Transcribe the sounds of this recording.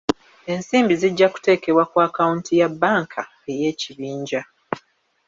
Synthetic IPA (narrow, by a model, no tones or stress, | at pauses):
e̞nsiːmbiziɟːaku̥te̞ːke̞βwakwaːkauntijabːaːŋkʰa | e̞je̞ːciβiːɲɟa